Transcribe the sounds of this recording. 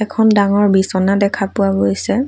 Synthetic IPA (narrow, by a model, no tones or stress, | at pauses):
ɛkʰɔndaŋɔɹbisɔnadɛkʰapʊabojsɛ